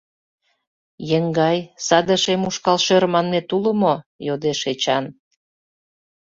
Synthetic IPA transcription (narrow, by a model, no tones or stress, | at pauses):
jəŋɡɑjsɑd̪əʃemuʃkɑlʃermɑnmet̪uləmojod̪eʃet͡ɕɑn